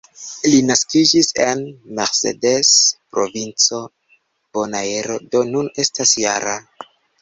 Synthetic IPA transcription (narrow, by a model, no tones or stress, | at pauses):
linaskid͡ʒise̞nme̞ɾsḛde̞spɾo̞vint͡so̞ | b̥o̞naeɾo̞do̞nune̞stasjaɾa